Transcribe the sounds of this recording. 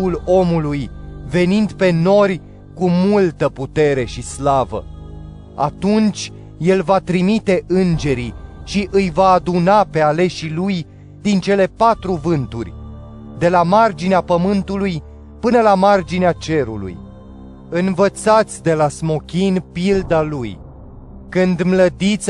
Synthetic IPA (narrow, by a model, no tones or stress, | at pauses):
ulo̞mulujve̞nind̪pe̞no̞rʲ | kumult̪əput̪e̞ɾe̞ʃislavə̰ | a̰t̪unt͡ʃʲ | je̞lvat̪ɾimit̪e̞ʔɨnd͡ʒe̞ɾiʃiʔɨjvaːd̪unape̞ale̞ʃiluj | d̪int͡ʃe̞le̞pat̪ɾuvɨnt̪urʲ | d̪e̞lamard͡ʒineapəmɨnt̪uluj | pɨnəlamard͡ʒineat͡ʃe̞ɾṵlṵj | ɨnvət̪sat̪sʲd̪elasmo̞kʲinpild̪aluj | kɨnd̪mləd̪it̪s